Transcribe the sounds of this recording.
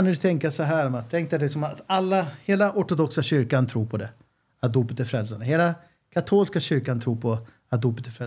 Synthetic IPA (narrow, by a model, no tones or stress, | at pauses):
nʉt̪ʰɛŋkasɔɦæːɾɔmat̪ʰːɛŋkt̪alɪksɔmat̪alːaheːlaʔɔʈʊd̪ɔksaɕʏɾkant̪ʰɾuːɾpʰɔd̪ɛ | at̪̚d̪uːpət̪æɾfɾɛlsanəɦeːla | kʰat̪ʰoːlskaɕʏɾkant̪ʰɾuːɾpʰɔ | at̪̚d̪uːpət̪æfɾɛ